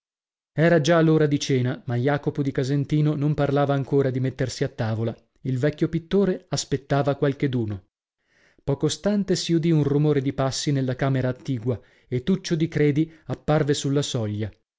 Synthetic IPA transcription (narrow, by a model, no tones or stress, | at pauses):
ɛːɾad͡ʒaloːɾad̪it͡ʃɛːnamajaːkopod̪ikazent̪iːnonomparlaːvaːŋkoːɾad̪imet̪ːersiat̪ːaːvola | ilvɛkʲːjopit̪ːoːɾeaspet̪ːaːvakwalked̪uːno | pɔːkost̪ant̪esiud̪iunrumoːɾed̪ipasːinelːakaːmeɾaːt̪ːiːɡwa | et̪ːut͡ʃːod̪ikɾɛːd̪iapːarvesulːasɔʎːa